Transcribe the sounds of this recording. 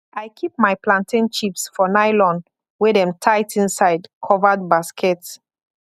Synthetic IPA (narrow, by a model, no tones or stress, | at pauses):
ajkʰip̚majplãntĩnt͡ʃipsfɔnaɪlɔ̃n | wɛdɛ̃mtʰaɪtĩnsaɪdkʰɔvəd̚baskʰɛts